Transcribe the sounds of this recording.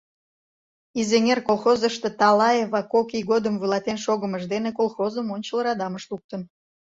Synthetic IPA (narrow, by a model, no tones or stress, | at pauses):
izeŋʲerkolˠxozəʃt̪et̪ɑlɑjeβɑkokiɣod̪əmvulˠɑt̪enʃoɣəməʒd̪enekolˠxozəmonʲt͡ɕələɾɑd̪ɑməʃlˠuk̚t̪ən